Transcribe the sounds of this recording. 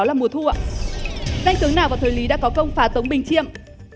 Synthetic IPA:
laː˨˩mu˨˩ət̪ʰu˧˩ə | ɗa˧jŋ̟t̪ɨ˨˦əŋnaː˨˩waː˨˩wt̪ʰːli˨˦ɗa̰ː˧˥kɔ˨˦kə˧wŋ͡mfaː˨˦t̪ə˨˦wŋ͡mɓï˨˩ŋ̟t͡ɕi˧˨əm

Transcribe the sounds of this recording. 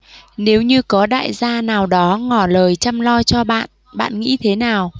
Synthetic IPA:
ne˨˦wɲɨ˧kɔ˨˦ɗa̰ː˧˨jzaː˧naː˨˩wɗɔ˨˦ŋɔ˧˩ləː˨˩jt͡ɕa˧mlɔ˧t͡ɕɔ˧ɓa̰ː˧˨n | ɓa̰ː˧˨nŋḭ˧˥t̪ʰe˨˦naː˨˩w

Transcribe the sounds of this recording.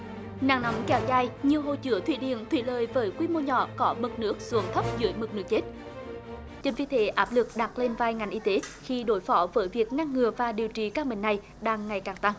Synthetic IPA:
na̰ː˧˨˩ŋnɔ˨˦wmkɛ˨˦wzaː˧˩jɲɨ˨˩əwɦo˧˨jt͡ɕɨ˧˦ət̪ʰwḭ˧˨ɗḭ˧˨ənt̪ʰwḭ˧˨ləː˨˩jvəː˨˦jkwi˧mo˧ɲɔ̰˧˨kɔ˨˦mɨ˨˩k̚nɨ˦˥ək̚zṵ˨˧˨ŋt̪ʰə˦˥p̚zɨ̰˧˦əjmɨ˨˩k̚nɨ˦˥k̚t͡ɕe˦˥t̚ | t͡ɕə˧nvi˧t̪ʰe˨˦ʔaː˦˥p̚lɨ˨˩k̚ɗa˨˩t̚le˧nvaː˧jŋa˨˩ŋʔi˧t̪e˨˦xi˧ɗo˨˦jfɔ˨˦vəː˨˦jvi˨˩ək̚ŋa˧ŋːɨ˨˩əvaː˨˩ɗi˨˩əwt͡ɕi˧˩kaː˦˥k̚mï˨˩ŋ̟na˨˩j | ɗaː˧ŋːa˨˩jkaː˨˩ŋt̪a˧ŋ

